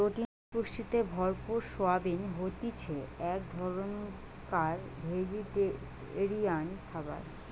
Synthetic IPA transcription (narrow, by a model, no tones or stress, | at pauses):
ɾoʈi | puʃʈit̪ebʱɔɾpuɾʃoabinɦot̪it͡ɕʰeɛkd̪ʱɔɾon | kaɾbʱed͡ʑiʈe | ɾijankʰaba̰ɾ